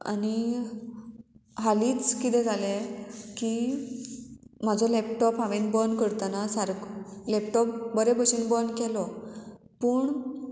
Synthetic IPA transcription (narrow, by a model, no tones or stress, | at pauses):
a̰ni | ɦaliːt͡skit̪ɛ̃d͡zʱaleki | m̤ad͡zʱɔlɛp̚ʈɔpaʋenbənkəɾt̪anasaɾɡlɛp̚ʈɔpbəɾebəɕinbənkʰɛlɔ | pəːɳ